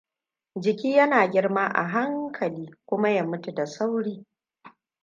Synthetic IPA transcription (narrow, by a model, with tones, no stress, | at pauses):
d͡ʒɪ˨kʲiː˦jɐ˦naː˨ɡʲɪ˦rmaː˦ʔa̰˨ɦa˦ŋkʰɐ˨liː˦kʷʊ˦ma˦ja˦mʊ˦tu˨da˨sa˦wɽiː˦